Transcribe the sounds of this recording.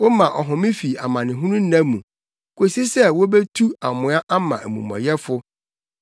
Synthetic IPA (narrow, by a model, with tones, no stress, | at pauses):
wo˦mã˨ʔɔ˨ɦʊ̃˨mɪ̃˦fi˨a˨mã˨nɪ̃˨ɦʊ̃˦nũ˦nã˦mũ˨ | kʰo˨si˦sɛ˦wo˦be˦tʰu˦a˨mʊ̃˨˦a˦ʔa˦mã̰˨ʔæ˨mṵ̃˨mɔ̰̃˨jɛ˦fʊ˦